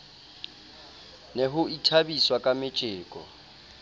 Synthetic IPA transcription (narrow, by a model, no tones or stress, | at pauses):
nɛɦʊitʰabiswakʼamɪt͡ʃʼɪːkʼɔ̰